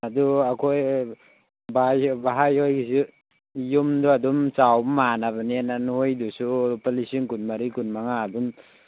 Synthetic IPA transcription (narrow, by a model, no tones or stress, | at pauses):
aduakʰoj | bajbaɦajhojɡisi | jumdɔadumt͡ʃawmanaβaniananhojdusupalisiŋkunmaɾikunmaŋaːdum